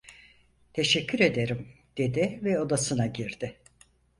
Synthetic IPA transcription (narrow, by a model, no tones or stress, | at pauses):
t̪ʰe̞ʃɛcʰːyɾe̞d̪e̞ɾim | d̪̥e̞d̪ɪvɛo̞d̪asɯnaɟiɾd̪ɪ